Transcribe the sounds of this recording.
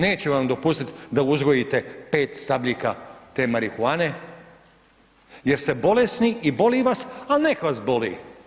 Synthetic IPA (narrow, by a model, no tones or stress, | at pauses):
ne̞ːt͡ɕuʋamd̪o̞pust̪it̪d̪auzɡojit̪e̞pe̞ːt̪st̪abʎʲikat̪e̞ːmaɾixuaːne̞ | je̞ɾst̪e̞bo̞lesniʔibo̞liːʋasalnekaʋasbo̞lḭː